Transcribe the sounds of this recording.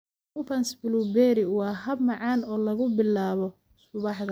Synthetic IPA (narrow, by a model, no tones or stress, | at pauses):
ʊpɐnsbɪlubɛːɾɪwɑːɦɐbmɑʕɑːnɔːlɐɣʊbɪlːaːβɔ | sʊβɑħd̪ɐ